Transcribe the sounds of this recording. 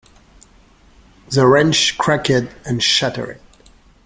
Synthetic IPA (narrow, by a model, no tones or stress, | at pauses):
ðəɹɛ̃nt͡ʃkʰɹ̥ækɪdɨ̃nʃæɾə̰˞ɪ̰t̚